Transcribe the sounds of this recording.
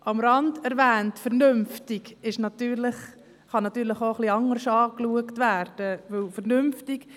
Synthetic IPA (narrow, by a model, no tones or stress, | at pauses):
ʔɑmɾɑndɛɾvæːntfɛɾnʏmftɪɡɪʃnɑtyːɾlɪχ | χɑnɑtːyːɾləχoːχliɑŋːəɾʃɑːkluəktvæːrd̥əvɵlfəɾnʏmftɪk